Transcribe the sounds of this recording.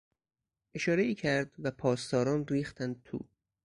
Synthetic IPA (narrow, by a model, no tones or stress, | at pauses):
ʔe̞ʃɒːɾeiːcʰæɾd̪væpʰɒːst̪ɒːɾɒːnriːxt̪ænd̪̚t̪ʰṵː